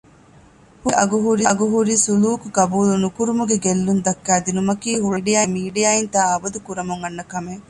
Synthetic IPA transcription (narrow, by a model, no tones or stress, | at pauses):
huʔɐɡuɦuɾiɐɡuɦuɾisuluːkuɡɐbuːlunukuɾumuɡeɡelːund̪ɐkːæːd̪inumɐkiːɦuɭiɖijaːimiːɖijaːint̪aːɐbɐd̪ukuɾɐmuŋɐnːɐkɐme